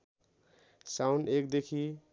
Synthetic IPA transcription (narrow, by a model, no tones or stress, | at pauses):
sawnɖek̚d̪ekʰi